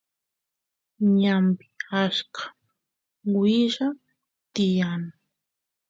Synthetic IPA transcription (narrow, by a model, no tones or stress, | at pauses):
ɲampɪ̥askʰḁ | wɪʒa | t̪ɪjaŋ